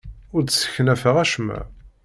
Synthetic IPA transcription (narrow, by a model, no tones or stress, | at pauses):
ʊɾt͡ssə̥çənæfəʁæʃmæ̰